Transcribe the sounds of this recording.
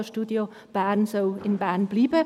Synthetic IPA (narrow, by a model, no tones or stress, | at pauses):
ʃtuːdjo | b̥ænsoːɪnbɛːnb̥liːbə